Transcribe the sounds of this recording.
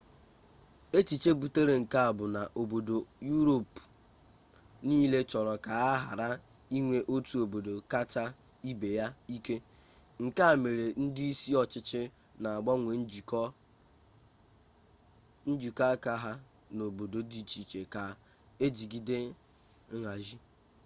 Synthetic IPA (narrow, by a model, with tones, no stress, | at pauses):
e˦t͡ʃi˨t͡ʃe˦bu˨te˦ɾe˨ŋ̩˨ka˦a˨bʊ˨na˨ʔo˨bo˨do˨ju˦ɾo˨p | niː˦le˦t͡ʃɔ˨ɾɔ˨ka˨a˦ɦa˨ɾa˦ | i˦ŋʷe˦ʔo˦tu˨o˨bo˨do˨ka˦ta˦ | i˦be˨ja˦i˦ke˦ | ŋ̩˨ka˦a˨me˨ɾe˨n̩˦dɪ˦i˦si˦ɔ˨t͡ʃɪ˦t͡ʃɪ˦ | na˨a˨ɡ͡bɔ˦ŋʷe˨˦˨k | n̩˦d͡ʒi˨ka˦ka˦ɦa˦ | no˨bo˨do˨di˨t͡ʃi˨t͡ʃe˨ka˨ | e˦d͡ʒi˨ɡi˦de˦ | ŋa˨ʒi˦